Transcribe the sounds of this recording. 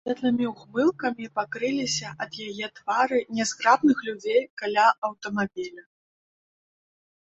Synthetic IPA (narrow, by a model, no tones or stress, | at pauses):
vʲɛt̪lɨmʲiwɣmɨlˠkɐmʲipakɾɨlʲisʲɐʔɐd̪jajɛt̪vaɾɨnʲɛskɾapnɨxlʲud͡zʲejkalʲaɐwt̪ɐmabʲilʲɐ